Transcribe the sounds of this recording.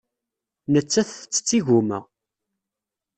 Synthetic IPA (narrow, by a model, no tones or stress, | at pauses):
nət͡sːæθt͡sːə̥t͡sːiʝumə̰ʁ